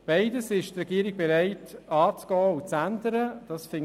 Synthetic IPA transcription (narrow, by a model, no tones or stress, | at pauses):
b̥aɪdəsɪʃt̪rɛɡiːɾɪɡ̥̚bɛɾaɪtɑːt͡sɡ̥ɔːut͡sænd̪əɾəd̥ɑsfɪŋ